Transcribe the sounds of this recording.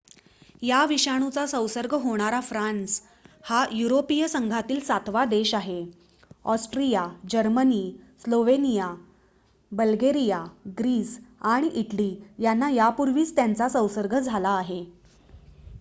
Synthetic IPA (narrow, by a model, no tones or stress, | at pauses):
jaʋiɕaɽ̃ut͡sasə̃wsəɾɡʱəɦoɽ̃aɾafɾans | hajuɾopijəsəŋɡʱat̪iːlsat̪ʰʋad̪eɕaɦe | ɔsʈɾijad͡ʑəɾməniːsloʋenija | bəlɡeɾijaɡɾiːsaɽ̃iʔiʈliːjanːajapuɾʋiːt͡st̪jant͡sasə̃wsəɾɡʱəd͡zʱalaːɦe